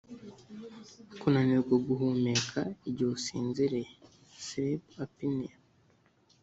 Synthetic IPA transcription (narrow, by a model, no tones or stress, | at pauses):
kunaniɾɡwaɡuɦumekʰaiɟosḭːnziɾe | sɾibapini